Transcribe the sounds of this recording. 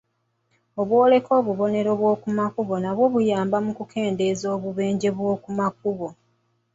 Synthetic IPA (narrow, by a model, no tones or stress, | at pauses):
oβwo̞ːle̞kʰo̞ːβuβo̞ne̞ɾo̞βwo̞ːkumakuβo̞naβwo̞βujaːmbamukukʰe̞ːnde̞zoːβuβe̞ːɲɟe̞βwo̞ːkumak̚uβo̞